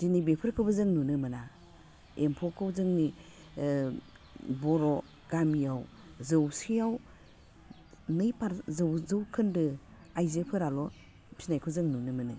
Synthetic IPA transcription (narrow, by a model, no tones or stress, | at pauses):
d̥inibepʰɯɾkʰɯbɯzɯŋnunɯmɯna | empʰɔkʰɯwzɯŋni | bɔɾɔ | ɡ̥amijaw | zɯwsijaw | nɯjpʰaɾzɯwzɯwkʰɯndɯ | ajzɯpʰɯɾalɔ | pʰi̥najkʰuzɯŋnunɯmɯnɯ̰